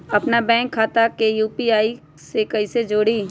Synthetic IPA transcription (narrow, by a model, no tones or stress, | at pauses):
ɐpnabɛ̃ːŋkʰːaːt̪akejuːpiaːi | sekɐised͡ʒoːɽiː